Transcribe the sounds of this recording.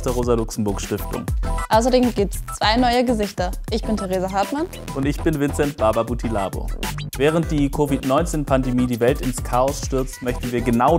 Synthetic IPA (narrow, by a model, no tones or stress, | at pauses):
stəʁoːzɐlʊksm̩bʊɐkʃtɪftʊ̰ŋʔaʊs̬ɐdeːmɡiːp̚tə̥st͡sv̥aɪnɔʏəɡəzɪçtɐʔɪçb̥ɪntʰeʁeːzaɦaɐtman | ʔʊntɪçb̥ɪnvɪnt͡sɛntb̥aɐbɐbutʰila̰ːbo̰vɛːʁ̞ənt̚d̥iːkʰovitnɔʏnt͡seːnpʰandemiːdiːvɛltɪnskʰaːɔsʃtʏɐt͡stmœçtn̩viːɐɡənaʊ